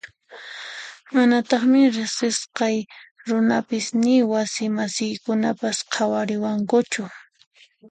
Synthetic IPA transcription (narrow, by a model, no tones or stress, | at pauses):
manat̪ɑχmɪɾɪsɪsqɑjɾʊnapɪsnɪwasɪmasɪjkʊnapasqʰɑwaɾɪwaŋkʊt͡ʃʊ